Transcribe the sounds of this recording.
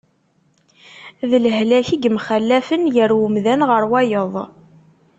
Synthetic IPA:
ðələɦlæçiɡmχælːæfənjəɾwʊmðænʁəɾwæjəðˤ

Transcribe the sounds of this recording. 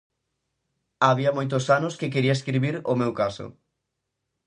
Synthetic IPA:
aβiɐmojt̪̬osanʊskekeɾiɐeskɾiβiɾomewkasʊ̰

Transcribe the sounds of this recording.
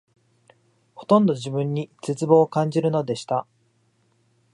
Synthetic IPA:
ho̞̥t̪õ̞nd̪o̞ʑibɯ̟̃ɲ̟ːit͡set͡sɨbo̞ːkãɲ̟d͡ʑiɾɯ̟no̞d̪e̞ɕi̥t̪a

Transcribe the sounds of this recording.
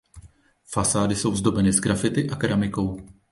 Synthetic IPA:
fasaːdɪso̞wzd̪o̞bɛnɪzɡɾafɪt̪ɪʔakɾamɪko̞w

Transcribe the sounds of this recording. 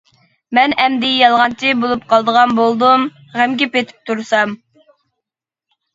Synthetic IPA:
mɛnɛmd̪ɪjɑlˠʁɑnt͡ʃʰibolˠup̚qʰɑlˠd̪əʁɑnbolˠd̪um | ʁæmɡʲipet̪ʰɪ̥p̚t̪ʰuɾsɑm

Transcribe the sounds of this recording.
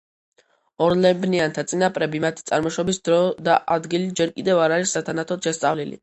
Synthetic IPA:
ɔɾlɛbniant̪ʰat̪sʼinapʼɾɛbimat̪ʰi̥t̪sʼaɾmɔʃɔbisd̪ɾɔd̪aʔad̪ɡilid͡ʒɛɾkʼid̪ɛvaɾaɾisːat̪ʰanat̪ʰɔd̪̥ʃɛst̪sʼa̰vlilḭ

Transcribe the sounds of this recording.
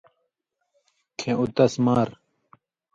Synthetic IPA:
kʰẽʔut̪ɐsmaːɾ

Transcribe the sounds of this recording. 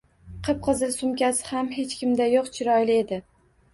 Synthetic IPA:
qʰɨp̚qʰɨzɪlsʊmkʲasɪ̥hame̞t͡ʃkʲɪmd̪ajoqt͡ʃʰɪɾɒjlɪe̞d̪ɪ

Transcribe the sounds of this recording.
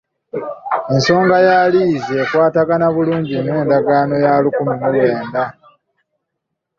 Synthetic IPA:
e̞nso̞ːŋɡajaliːzeːkwaːtaɡanaβuluːɲɟimwe̞ːndaɡaːno̞jaːlikumimulwe̞ːnda

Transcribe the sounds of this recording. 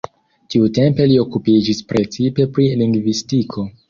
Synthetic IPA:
tiute̞mpe̞lio̞kupid͡ʒispɾe̞t͡sipe̞pɾiliŋɡvistikʰo̞

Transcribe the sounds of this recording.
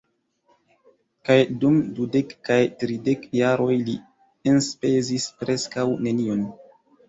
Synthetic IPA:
kajdumdudekːajtɾidekjaɾo̞jli | enspe̞zispɾe̞skawne̞nion

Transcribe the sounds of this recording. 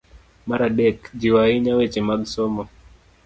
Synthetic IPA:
maɾaɗɛkd͡ʒiwaiɲawet͡ʃimaɡsɔmɔ

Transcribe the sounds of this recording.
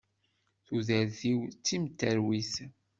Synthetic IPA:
θuðəɾθiwt͡sːimt̪ːəɾwiθ

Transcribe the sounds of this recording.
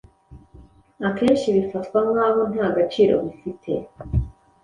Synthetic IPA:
ake̞ːnʃiβifatkwaŋŋaːβo̞n̥haːɡat͡ʃiːɾo̞̰βifitʰe̞

